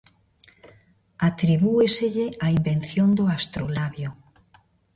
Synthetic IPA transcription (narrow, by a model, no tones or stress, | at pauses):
at̪ɾiβueseʎeaimben̟θjond̪oast̪ɾolaβjo